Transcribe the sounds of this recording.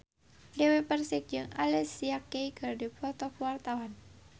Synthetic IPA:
dewepərsɪk̚d͡ʒɨŋalɛsijakːeikərdipɔt̪ɔkwart̪awan

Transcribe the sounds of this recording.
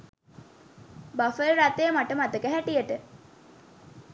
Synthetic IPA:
bafəlɾat̪ejəmaʈəmat̪əkəɦæʈijəʈə

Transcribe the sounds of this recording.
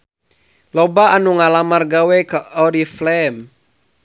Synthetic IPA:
lɔbaanuŋalamarɡawɛkəʔɔɾiflɛm

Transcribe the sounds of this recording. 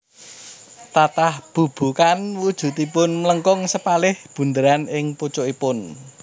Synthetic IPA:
t̪at̪ahb̥ṳb̥ṳkanwud̥ʒ̥ṳt̪ipʊnmələŋkɔŋsəpalɪhb̥ṳnd̪əɾanɪŋput͡ʃoipʊn

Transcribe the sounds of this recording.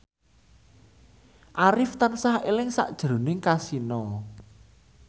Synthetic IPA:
ʔaɾɪft̪ansahelɪŋsa̰ʔd̥ʒ̥ɾo̤nɪŋkasinɔ

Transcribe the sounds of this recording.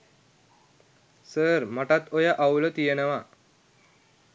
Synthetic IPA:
səɾm̤aʈat̪ojaʔawlət̪ijenəʋa

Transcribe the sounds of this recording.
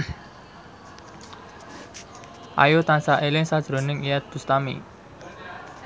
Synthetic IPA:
ʔa̰jot̪ansaʔelɪŋsad̥ʒ̥ɾo̤nɪŋijɛt̪̚d̪̥ust̪amḭ

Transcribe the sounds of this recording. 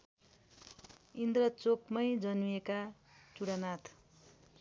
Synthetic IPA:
ind̪rʌt͡sokmʌjd͡zʌnujekat͡suɽanat̪ʰ

